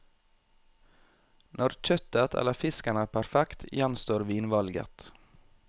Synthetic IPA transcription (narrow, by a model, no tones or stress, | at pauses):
nʔɔɾc͡çœt̪ət̪ʰɛ̰ləfɪskanæːpʰæɾfɛkt̪jɛnst̪oːɾʋiːnʋɑlɡə̰t̪